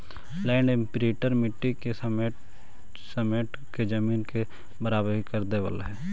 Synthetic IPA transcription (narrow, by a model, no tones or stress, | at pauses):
lɛ̃ːɳɖempɾeːʈəɾmɪʈːikesəme | səmeːʈ | ked͡ʒəmiːnke | bəɾaːbəɾɦikəɾd̪eʋə̰lɦɛː